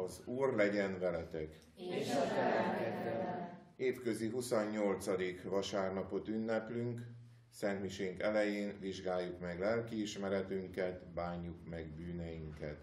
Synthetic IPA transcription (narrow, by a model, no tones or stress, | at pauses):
ɒzuːrlɛɟɛnvɛlɛt̪ɛk | eːt̪kø̞ziɦusoɲːo̞lt̪sɒd̪ikʋɒʃaːrnɒpo̞t̪ynːɛplyŋk | sɛnt̪miʃeŋkɛlɛjeːnviʒɡaːjːukmɛɡlɛlkiːʃmɛɾɛt̪yŋkɛt̪baːɲːukmɛɡbyːnɛjiŋkɛt̪